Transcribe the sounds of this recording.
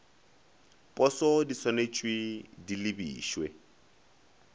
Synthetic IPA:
pʼɔsɔdisɔnet͡ʃʼwidilibiːʃwɛ

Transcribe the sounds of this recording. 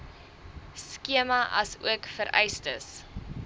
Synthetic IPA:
skiəmɐʔɐ̰sṵəkfəɾʔɛ̰jstəs

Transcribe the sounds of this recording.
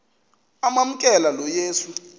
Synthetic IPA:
amam̩kʼɛlalɔjeːsu

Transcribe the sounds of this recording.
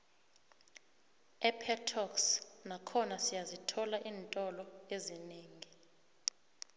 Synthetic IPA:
ɛpʰɛtʰɔksnakʰɔnasijazitʰɔlaʔiːntʼɔlɔezineːŋi

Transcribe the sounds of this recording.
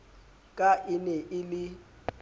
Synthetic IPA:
kʼaʔɪnɛʔɪlɪ

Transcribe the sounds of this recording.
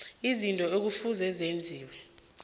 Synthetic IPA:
izintʼɔek̬ufuzɛzend͡zʱiːwɛ

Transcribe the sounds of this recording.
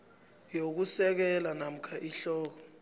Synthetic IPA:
jok̬usɛk̬ɛlanam̩kʰaʔiɬɔːk̬ɔ

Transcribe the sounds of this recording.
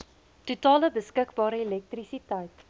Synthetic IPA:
tutɑːləbəskəkbɑːɾəelɛk̚trisitəjt

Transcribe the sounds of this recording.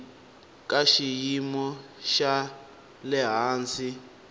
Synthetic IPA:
kʼaʃijimɔʃa | lɛɦaːnt͡si

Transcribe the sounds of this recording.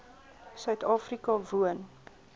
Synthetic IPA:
sœɥtɑːfrikɑvuən

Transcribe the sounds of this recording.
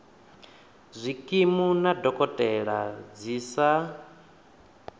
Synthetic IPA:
zʷikʼimunadɔkʼɔtʼɛɺad͡zisa

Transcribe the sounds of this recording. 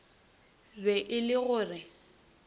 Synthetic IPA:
bɛʔɪlɪɣʊːrɪ

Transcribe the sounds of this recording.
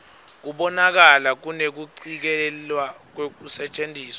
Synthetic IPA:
k̬uɓɔnak̬alak̬unek̬uǀik̬ɛlwak̬wek̬usɛt͡ʃʼendʱiːswa

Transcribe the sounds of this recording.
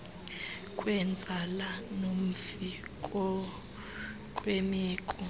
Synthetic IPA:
kʼwɛnd͡zʱalanom̩fikʼɔ | kʼwemiːkʼɔ

